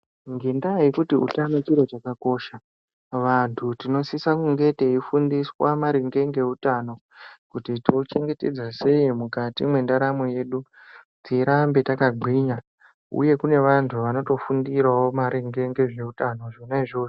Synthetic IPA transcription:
ŋɡe̞ndajikutiṵtanot͡ʃiɾo̞t͡ʃakako̞ːʃa | ʋantʰutino̞sisakuŋɡe̞teifundiswamaɾiŋɡe̞ŋɡe̞utano̞ | kutitiot͡ʃe̞ŋɡe̞te̞̰d͡zase̞imukatimwe̞ndaɾamoje̞ːɗu | tiɾambe̞takaɡ͡ǃʱwiɲa | ṵje̞kune̞ʋantʰuʋano̞to̞fundiɾawomaɾiŋɡe̞ŋɡe̞ʐe̞utano̞ʐonaiʐo̞ːʐo

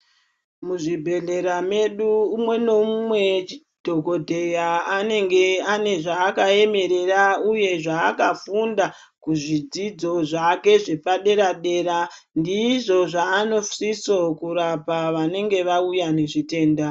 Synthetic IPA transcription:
muʐibʱe̞ɮe̞ɾame̞ɗuːmwe̞no̞mumwe̞ | d̥ʱo̞ɡo̞dʱe̞jaane̞ŋɡe̞ane̞ʐaːkae̞me̞ɾe̞rauje̞ʐaːkafunda | kuʐid͡zid͡zo̞ʐake̞ʐe̞paɗe̞ɾaɗe̞ɾa | ndiʐo̞ʐaːno̞fsisokuɾapaʋane̞ŋɡe̞ʋaujane̞ʐite̞ːnda

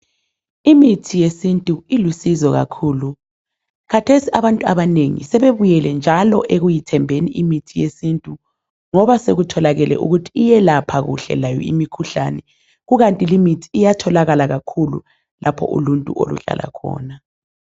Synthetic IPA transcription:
imitʰijesintʼuilusizɔɣa̰kʰuːlu | kʰatʰesiaβantʼuaβaneŋḭsɛβeβujɛlɛnd͡ʒʱalɔʔeɣujitʰɛmbʱeniimitʰijesintʼu | ŋɔβaseɣutʰɔlaɣɛlɛ̰ʔṵɣutʰi̥ːjɛlapʰaɣṵɬɛ̰lajɔ̰imikʰuɬa̰nɛ | ɣuɣantʼilimitʰi̥ːjatʰɔlaɣalaɣakʰulṵ | lʔapʰɔ̰ʔṵluntʼṵo̰lṵɮa̰lʔa̰kʰɔ̰ːna

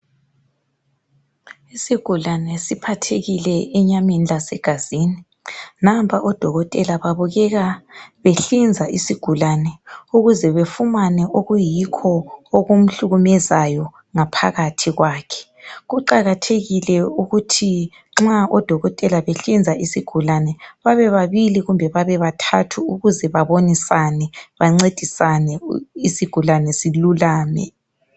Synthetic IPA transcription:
isiɡ̥ʱulanɛsipʰatʰeɣilɛɛɲaminlasɛɡ̥ʱaz̥iːni | nampʰaʔɔd̥ʱɔɣɔtʼɛlaβaβuɣɛɣaβeɬind͡zʱaʔisiɡ̥ʱulanɛuɣuzɛβefumanɛʔoɣujikʰɔoɣom̩ɬuɣumɛzajɔ | ŋapʰaɣatʰiɣwaːkʰɛ̥ | ɣuǃaɣatʰeɣilɛuɣutʰi | ŋ͡ǁaʔɔd̥ʱɔɣɔtʼɛlaβeɬind͡zʱaisiɡ̥ʱulanɛβaβɛβaβiliɣumbʱɛβaβɛβatʰatʰuuɣuzɛβaβonisanɛβaŋ͡ǀed̥ʱisanɛisiɡ̥ʱulanɛsilulaːnɛ̰

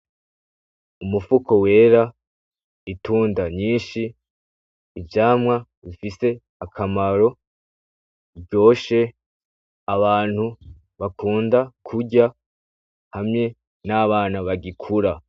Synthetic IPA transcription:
umufukʰo̞we̞ːɾa | ituːndaɲiːʃiː | vjaːmŋaβifise̞ | akʰamaɾo̞ | ɟo̞ːʃe̞ | aβaːn̥hu | βakʰuːndakʰuɟa | hamɲe̞ | naβaːnaβaɡikʰuɾa

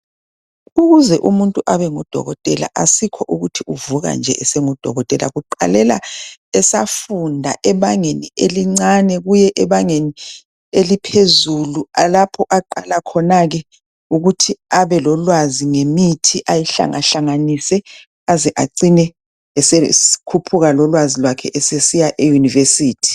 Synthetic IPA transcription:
uɣuzɛʔumuntʼuʔaβɛŋɔd̥ʱɔ̰ɣɔtʼɛla̰ʔasikʰɔʔuɣutʰiuvuɣa̰nd͡ʒʱɛʔɛsɛŋɔd̥ʱɔ̰ɣɔtʼɛla̰ɣuǃa̰lɛla̰ɛsafundʱaʔɛβaŋenieliŋ͡ǀanɛɣujɛʔɛβaŋeni | elipʰezulualapʰɔʔaǃalakʰɔnaɣɛ | uɣutʰiaβɛlɔlwaziŋemitʰiʔajiɬa̰ŋa̰ɬaŋanisɛ | azɛʔaǀinɛ | ɛsɛi̥kʰupʰuɣalɔlwazilwakʰɛ̰ʔɛsesijaʔejunivesiːtʰi̥

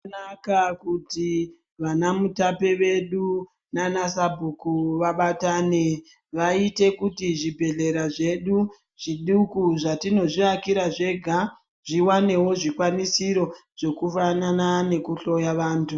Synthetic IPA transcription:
nakakuti | ʋanamutapeʋe̞ɗu | nanasabʱukuʋaɓataːne̞ | ʋaite̞kutiʐibʱe̞ɮe̞ɾaʐe̞ɗu | ʐ̥iɗukuʐatino̞ʐiakiɾaʐe̞ɡʱa | ʐ̥iwane̞wo̞ʐikwanisiɾo̞ʐ̥e̞kufananane̞kuɬo̞jaʋaːntʰu

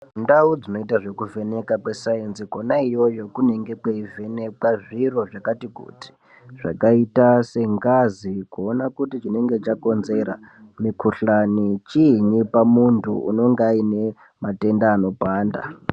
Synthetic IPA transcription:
ndaud͡zino̞itaʐe̞kuve̞ne̞kakwesaensikonaijo̞jo̞kune̞ŋɡe̞kweive̞ne̞kwaʐiro̞ʐakatikṵti̥ | ʐ̥a̰kaitase̞ŋɡazikuonakutit͡ʃine̞ŋɡe̞t͡ʃako̞nze̞ɾa̰ | mikuɬanit͡ʃiɲipamuntʰṵṵno̞ŋɡaine̞ | mate̞ndaːno̞paːnda̰

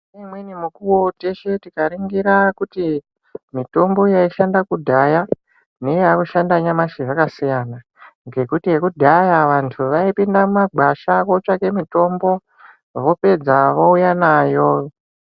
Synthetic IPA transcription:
nemwenimukuwote̞ʃe̞tikaɾiŋɡiɾakuti | mito̞mbo̞jaiʃandakudʱaja | ne̞jaːkuʃandaɲamaʃiʐakasijana | ŋɡe̞kutie̞kudʱajaʋantʰuʋaipindamumaɡʱaʃako̞t͡ʃake̞mito̞mbo̞ | ʋo̞pe̞d͡zaʋoujanaːjo

